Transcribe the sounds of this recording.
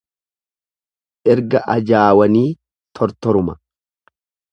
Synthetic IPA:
ʔɛɾɡɐʔɐd͡ʒaːwɐniː | t̪ʰɔɾt̪ɔɾʊmɐ

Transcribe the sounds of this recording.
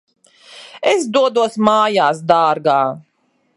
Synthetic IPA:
esd̪uɔd̪uɔsmaːjaːs̬d̪aːɾɡaː

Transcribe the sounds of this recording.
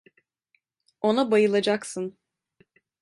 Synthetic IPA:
o̞nabajɯlˠad͡ʒaksɯn

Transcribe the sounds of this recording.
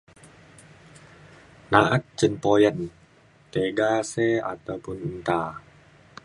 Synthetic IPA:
naʔat̪̚t͡ʃənpojən | t̪eɡasɛa̰t̪awpʊnunt̪a

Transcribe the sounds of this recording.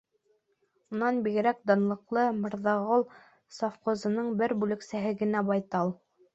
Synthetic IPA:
unɑnbiɣɘ̆ɾæk̚d̪ɑnlˠɤ̆qlˠɤmɤ̆ɾðɑʁolˠ | sɑfqŏzɤ̆nɤɴbɘɾbʉlɘ̆ksæɦɘɡɘ̆næbɑjt̪ɑlˠ

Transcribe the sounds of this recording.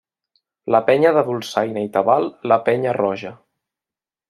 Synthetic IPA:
ləpɛɲəðəðulˠsajnəit̪əβalˠləpɛɲərɔʒə

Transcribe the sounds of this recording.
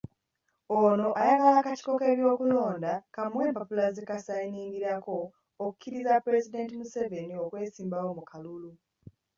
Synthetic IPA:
o̞no̞ʔajaɡalaːkaci̥ko̞ke̞ːβjo̞ːkulo̞ːndakamwe̞ːmpopulazikasainiːŋɡiɾako̞ː | ku̥kiɾizapuɾe̞zide̞ntimuse̞ve̞nio̞kwe̞ːsiːmbawo̞mukʰalulu

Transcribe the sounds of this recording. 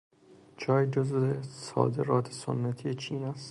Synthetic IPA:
d͡ʒʰɒːjd͡ʒozesɒ̰ːd̪e̞ɾɒːt̪ʰeso̰nːæt̪ʰijet͡ʃʰiːnæst̪

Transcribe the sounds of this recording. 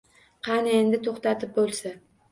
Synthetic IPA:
qʰɑnend̪ɪt̪ʰoχt̪at̪ʰɪp̚bolˠsa

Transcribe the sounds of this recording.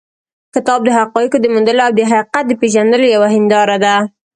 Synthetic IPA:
kɪt̪ɑb̚d̪əɦaqɑjəkod̪əmund̪əloawd̪əɦaiqat̪̚d̪əpeʒand̪əlojawaɦɪnd̪ɑɾad̪a

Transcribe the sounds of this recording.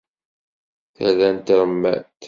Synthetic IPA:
θælænt̪ɾəmːæ̰t̪

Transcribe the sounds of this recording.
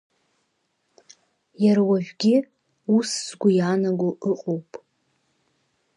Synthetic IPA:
jaɾwaʒᶣɡʲɪ | usz̥ɡʷʊjaːnaɡʷʊʔɨqʼowpʼ

